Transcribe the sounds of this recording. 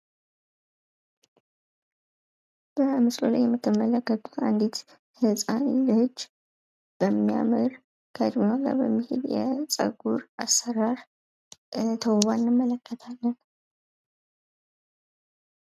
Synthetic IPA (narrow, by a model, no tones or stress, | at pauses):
b̥əmɨslolajːɛmːɨt̪ʰːɨmːələkːət̪ʼu̥t̪and̪it̪ | hɨsʼanilɨhɨd͡ʒː | b̥əmːija̰mɨɾ | kʰəd̪munaɡa̰bəmːihḛd̪jɛ̰t͡sʼə̰ɡuɾa̰sːəɾaɾ | t̪ʰəwβanːɨmːələkʰːət̪ʰalːən